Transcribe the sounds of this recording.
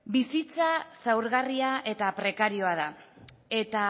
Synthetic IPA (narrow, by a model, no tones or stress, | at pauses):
bisit͡sasawɾɣariaʔe̞t̪apɾe̞kaɾio̞að̞a | e̞t̪a